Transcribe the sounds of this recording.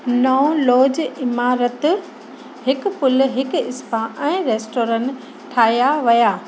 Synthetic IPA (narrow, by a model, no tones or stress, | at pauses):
nɔõloːd͡ʑɪmaːɾət̪ | hɪkʊ̆pʊl̆ɦɪkɪspaʔɛ̃ːɾeːsʈoːɾə̃n | ʈʰaːijaʋɐjaː